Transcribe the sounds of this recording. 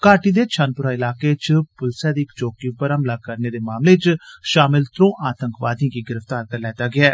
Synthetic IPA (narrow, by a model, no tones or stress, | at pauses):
kaːʈiːd̪eːt͡ʃʰaːnpʊɾaːɪlaːkeːt͡ʃpʊlsɛːd̪iːɪkt͡ʃoːkiːpəɾəmlaːkəɾneːd̪eːmaːmleːt͡ʃʃaːmɪlt̪ɾõːʔaːt̪əŋkʋaːd̪ijãːkiːɡɪɾəft̪aːɾt̪əɾlɛːt̪aːɡɪaː